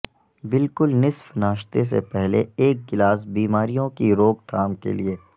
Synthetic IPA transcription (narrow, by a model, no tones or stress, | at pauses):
bɪlkʊlnɪsfnaːʃt̪es̬ḛpɛɦleeːk̚ɡɪlaːs̬biːmaːɾijõkiɾoːɡt̪ʰaːmkḛlieː